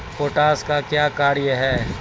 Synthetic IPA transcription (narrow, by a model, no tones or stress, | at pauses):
poːʈaːskakjaːkaːɾjəɦɛː